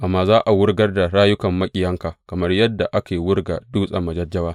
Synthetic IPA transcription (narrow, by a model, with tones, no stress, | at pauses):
ʔa˨mːaː˨zaː˦ʔa˨wʊ˦rɡɐ˦rda˨ɾaː˦jʊ˦kɐ˨mːɐ˦kʲʼɪ˦jɐ˦ŋka˨kɐ˨mɐ˦rjɐ˦dːa˨ʔa˦kaː˨wʊ˦rɡa̰˨duː˦sʼɐ˨mːɐ˨d͡ʒɐ˦d͡ʒːɐ˦waː˦